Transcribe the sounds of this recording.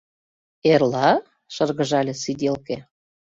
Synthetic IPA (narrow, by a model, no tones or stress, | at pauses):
erlɑ | ʃɤ̆rɣə̆ʒɑlʲesid̪ʲelke